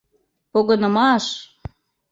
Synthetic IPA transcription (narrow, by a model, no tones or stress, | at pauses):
poɣɤnə̆mɑʃ